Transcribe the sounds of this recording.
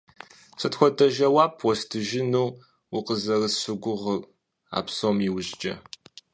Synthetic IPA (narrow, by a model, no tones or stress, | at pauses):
sʰɐtxʷɔdɐʒɐwaːpʰwɔstʰɨʒɪnuː | wʊqəzɐrɨsɨɡʷʊʁər | a̰ːpsomiwʊʑd͡ʒʼɐ̰